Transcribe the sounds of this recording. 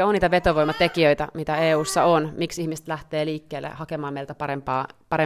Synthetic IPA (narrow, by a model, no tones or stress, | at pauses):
oniːt̪æʋet̪oʋojmːɑt̪ekiøjt̪æmit̪æeːuːsːɑonmiksihmise̥t̪læht̪eːliːkːeːlːḛhɑkemɑːmejlt̪æpɑɾempɑːpɑɾe